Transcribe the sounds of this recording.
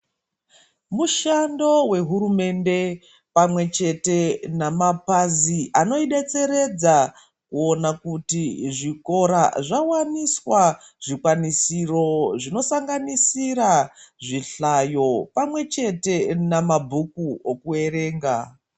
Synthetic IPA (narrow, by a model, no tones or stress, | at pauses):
muʃando̞we̞ɦuɾume̞nde̞ | pamwe̞t͡ʃe̞te̞namapaziʔano̞iɗe̞t͡se̞ɾe̞d͡za | kuo̞nakutiʐiko̞ɾaʐawaniswa | ʐ̥ikwanisiro̞ʐino̞saŋɡanisiɾaʐiɬajo̞pamwe̞t͡ʃe̞te̞namabʱukuokue̞ɾe̞ːŋɡa̰